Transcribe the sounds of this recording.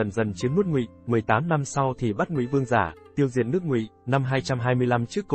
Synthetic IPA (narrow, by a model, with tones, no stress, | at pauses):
ə˨˩nzə˨˩nt͡ɕi˨˦əŋnu˦˥t̚ŋwḭ˧˨ | mwɨ˨˩əjt̪aː˨˦mna˧msa˧wt̪ʰi˨˩ɓa˦˥t̚ŋwḭ˧˨vɨ˧əŋzaː˧˩t̪i˧əwzḭ˧˨ənːɨ˦˥ək̚ŋwḭ˧˨na˧mɦaː˧jt͡ɕa˧mɦaː˧jmɨ˧əjla˧mt͡ɕɨ˦˥kːo˧